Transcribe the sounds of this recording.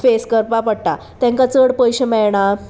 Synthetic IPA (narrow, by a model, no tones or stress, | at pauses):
feskəɾpapəɽʈa̰ | t̪ãŋkat͡səɽpəjɕemɛɭɳ̃a